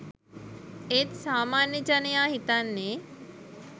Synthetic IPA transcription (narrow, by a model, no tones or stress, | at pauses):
et̪saːmaːnjəd͡ʒanəjaɦit̪anːe